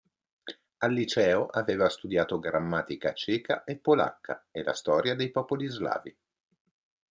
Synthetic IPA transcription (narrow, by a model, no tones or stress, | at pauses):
alːit͡ʃɛːoʔaveːvast̪ud̪jaːt̪oɡɾamːaːt̪ikat͡ʃɛːkaʔepːola̰kːa̰ela̰st̪ɔːɾjad̪ejpɔːpolizla̰ːvi